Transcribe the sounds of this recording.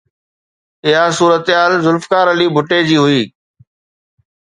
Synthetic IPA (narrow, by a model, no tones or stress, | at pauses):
ɪɦasuːɾət̪ɪaːlzʊlfkaːɾəliːbʱʊʈed͡ʑiːɦʊiː